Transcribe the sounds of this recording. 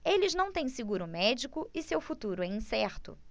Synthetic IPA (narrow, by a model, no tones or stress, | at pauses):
elɪznɐ̃w̃t̪ẽj̃sɪɡuɾʊmɛd͡ʒikʊɪsewfut̪uɾʊɛĩsɛɾt̪ʊ̰